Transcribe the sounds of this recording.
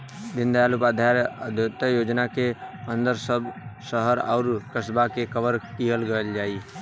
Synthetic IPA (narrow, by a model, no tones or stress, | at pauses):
d̪ind̪aalupad̪ʱjaɾd̪t̪əjod͡ʒnakeənd̪əɾsəbsəɦəɾa̰ʊɾkəsbakekəbəɾkiɦəlɡəeld͡ʒai